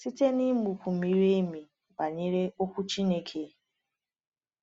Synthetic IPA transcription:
si˦te˦ni˦mu˨kʷu˨mi˨ɾe˦mi˨ | wa˨ɲe˦ɾe˦o˦kʷu˦t͡ʃi˦ne˦kʰe˦

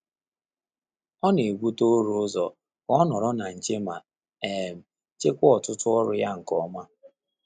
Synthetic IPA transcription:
ɔ˦ne˨ɡʷu˦to˦ɾʊ˦ʊ˦zɔ˨ | kɔ˦nɔ˨ɾɔ˦na˨n̩˨t͡ʃe˦ma˨ | e˨m̩˨ | t͡ʃe˦kʷɔ˨tʊ˦tʊ˦ɔ˦ɾʊ˦ja˦ŋ̩˨kɔ˦ma˦

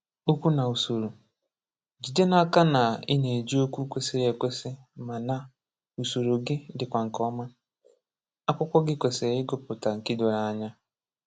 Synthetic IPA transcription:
o˦kʷu˦na˨u˨so˨ɾo˨ | d͡ʒi˨de˦na˨ka˦na˨ɪ̰˦ne˨d͡ʒi˦o˦kʷu˦kʷe˦si˦ɾe˨kʷe˦sɪ˦ | ma˨na˨ | u˨so˨ɾo˨ɡɪ˦dɪ˨kʷa˨ŋ̩˨kɔ˦ma˦ | a˦kʷʊ˦kʷɔ˦ɡɪ˦kʷe˨se˨ɾɪ˦ɡʊ˦pʊ˨ta˨ŋ̩˨ki˦do˨ɾa˨a˦˨ɲa˦

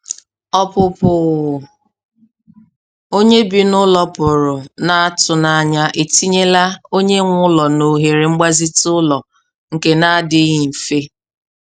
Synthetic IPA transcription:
ɔ˦pʊ˨pʊ˨ɣ | o˦ɲe˦bi˨nʊ˦lɔ˦pʊ˨ɾʊ˨na˨a˦tʊ˨na˨ɲa˦ʔe˨ti˦ɲe˦la˦o˦ɲe˦ŋʷʊ˦lɔ˨no˨ɦe˨ɾe˨ŋ͡m̩˦ɡ͡ba˦zi˦tʊ˦lɔ˨ | ŋ̩˨ke˦na˦dɪ˦ɣi˨m̩˨fe˦

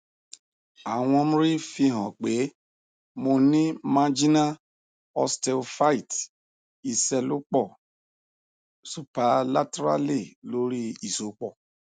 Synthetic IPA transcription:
a˨w̃ɔ̃˧mũ˦ɾi˦fi˧ɦɔ̃˨k͡pe˨˦ | mo˧nĩ˦mã˦d͡ʒi˦na˦ | ɔ̰˧stɛ˧lfa˦i˦˨t | i˨sɛ˧lo˦k͡pɔ˦˨ | su˨pa˨la˦tɾa̰˦le˦˨lo˨˦ɾi˦i˦˨so˨˦k͡pɔ˦˨

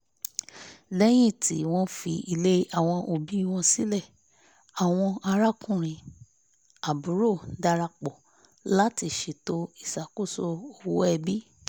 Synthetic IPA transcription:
lɛ˦j̃ĩ˦˨ti˨˦w̃ɔ̃˦fi˧i˧le˦a˨w̃ɔ̃˧ʔo˧bi˨˦i˦˨w̃ɔ̃˧si˦lɛ˦˨ | a˨w̃ɔ̃˧a˧ɾa˦kũ˦˨ɾ̃ĩ˨ | a˨bu˨˦ɾo˦˨da˧ɾa˧k͡pɔ˨ | la˦ti˦˧ʃe˨to˧˦i˦˨sa˨ko˦˨so˧o˨wo˦ɛ˧bi˦

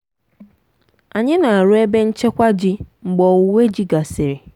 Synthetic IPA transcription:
a˨ɲɪ̃˦nã˨ɾʊ˦ɛ˦bɛ˦ɲ̩˦t͡ɕʰɛ˦kʷa˦d͡ʑi˦ŋ͡m̩˨ɡ͡bɔ˨˦we˦d͡ʑi˦ɡa˨sɪ˨ɾɪ˨

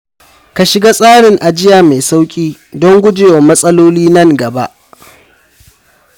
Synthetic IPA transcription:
ka˨ʃɪ˨ɡaː˦sʼaː˦ɽɪ˨ŋʔa˨d͡ʒɪ˦jaː˨ma˨jsa˦wkʲʼiː˦ | dɔ˦ŋɡʷʊ˦d͡ʒeː˨wa˨mɐ˦sʼɐ˦loː˦liː˦nɐ˦ŋɡɐ˨ba̰˦ʔ

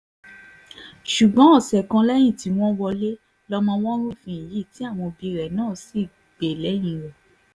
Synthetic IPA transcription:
ʃu˨ɡ͡bã˨˦ɔ˦˨sɛ˨kã˧lɛ˦j̃ĩ˦˨ti˧˦w̃ɔ̃˦wɔ˧le˦ | lɔ˧mɔ̃˧w̃ɔ̃˦ɾ̃ũ˦fĩ˧˨i˨ji˦˨ti˨˦a˦˨w̃ɔ̃˧bi˧ɾɛ˨nãː˨˦˨si˦˨ | ɡ͡be˨lɛ˨˦j̃ĩ˧˨ɾɛ˨

